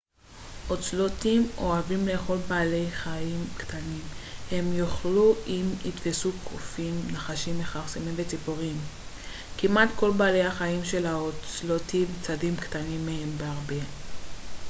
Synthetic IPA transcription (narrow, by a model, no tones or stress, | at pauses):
ʔot͡slotimo̞avimle̞ːχo̞lbaːle̞jχaimktanimhe̞mjoχluʔimitvesukʰofimnaχaʃimveχaʁsemimvet͡sipoʁim | kimatko̞lbaːlejhaχaimʃe̞laot͡slotimt͡sadimktanimːehe̞mbeaʁbe̞